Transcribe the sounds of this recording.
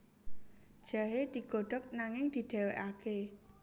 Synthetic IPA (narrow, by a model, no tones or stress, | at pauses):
d̥ʒ̥aɦed̪̥i̤ɡ̥o̤ɖ̥ɔ̤k̚naŋɪŋd̪̥i̤ɖ̪̥e̤weʔake